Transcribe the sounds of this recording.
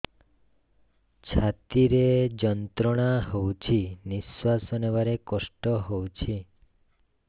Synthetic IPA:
t͡ʃʰat̪iɾed͡ʒɔnt̪ɾɔɽ̃aɦowt͡ʃʰiniswasɔneʋaɾekɔsʈɔɦowt͡ʃʰi

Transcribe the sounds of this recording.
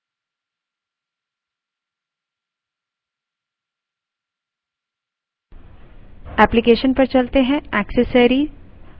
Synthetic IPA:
ɛːplikeːʃənpɐɾt͡ʃɐlt̪eɦɛ̃ɛːksəsəɾi

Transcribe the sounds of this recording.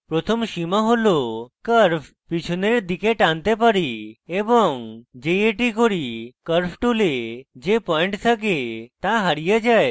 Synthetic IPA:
pɾot̪ʰɔmʃimaɦolokəɾfʰ | pit͡ʃʰuneɾd̪ikeʈãnt̪epəɾiebɔŋd͡ʒejeʈikoɾikəɾfʰʈuled͡ʒepɔiɳʈsʰək̬et̪aɦaɽijad͡ʒae

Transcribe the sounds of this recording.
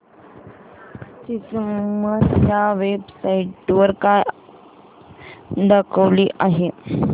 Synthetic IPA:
t͡ɕit͡smməsjaʋebsaiʈːʋəɾkaj | d̪əkʰəʋliːʔaɦe

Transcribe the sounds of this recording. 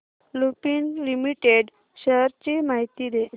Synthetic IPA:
lupiːnlimiʈeɖ | ɕəɾt͡ɕimaɦit̪id̪e

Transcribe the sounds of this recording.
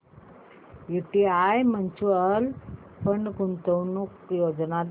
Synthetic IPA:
jiʈiajmənt͡ɕuəl | pəɳkunt̪əwnukjod͡znal

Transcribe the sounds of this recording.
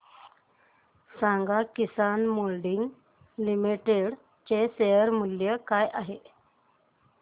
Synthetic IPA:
saŋɡakisanmolɖiŋɡ | limiʈeɽ | t͡ɕesejəɾmuljəkajʔaɦe

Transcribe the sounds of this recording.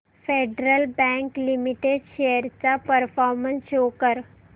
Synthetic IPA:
fʰeɖɾəlbɛ̃ŋklimiʈeɖʃejəɾt͡ɕapəɾfʰɔːɾmə̃nsɕoːkəɾ

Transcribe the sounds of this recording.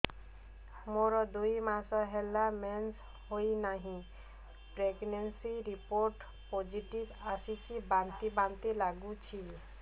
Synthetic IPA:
moɾɔd̪uimãːsaɦɛlamɛns | ɦoinaɦĩ | pɾeɡnensiɾipoːɾʈ | poːd͡ʒiʈibasikibãnt̪ibãːnt̪elaːɡut͡ʃʰi

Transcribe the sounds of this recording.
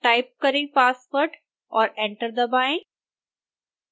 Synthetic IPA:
ʈaɪp̚kɐɾẽpaːsʋəɾʈ | ɔːɾɛ̃ɳʈəɾd̪əbaːẽ

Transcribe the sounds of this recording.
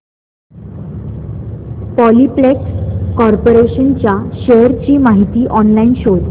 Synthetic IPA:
pɔliplekskɔɾpoɾeɕənt͡ɕjaɕejəɾt͡ɕiːmaɦit̪iːʔɔnlainɕod̪

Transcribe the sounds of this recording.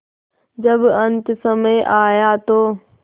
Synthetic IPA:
d͡ʑɐbɐ̃nt̪ɪsɐməjʔaːjat̪oː

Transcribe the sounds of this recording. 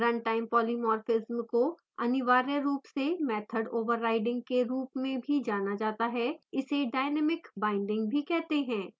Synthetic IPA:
ɾɐ̃ɳʈaːɪmpɔːlimɔːɾfɪzmko | ɐnɪʋaːɾəɾuːpsemɛːt̪ʰəɖoːʋəɾːaːɪɖɪ̃ŋɡ̚keɾuːpmẽbʱid͡ʒaːnad͡ʒaːt̪aɦɛɪseɖaːɪnɛːmɪkbaːɪ̃ɳɖɪ̃ŋɡbʱikɛɦt̪eɦɛ̃ː

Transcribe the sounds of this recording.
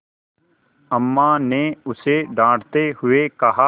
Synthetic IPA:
əmːaneʊseɖãːʈt̪eɦʊekɐɦa

